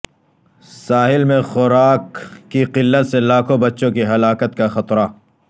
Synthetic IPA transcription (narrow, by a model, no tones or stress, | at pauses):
saːɦɪlmẽxʊɾaːkːiqɪlːət̪selaːkʰõbɐtːʃõkiɦɐlaːkət̪kaxɐt̪ɾa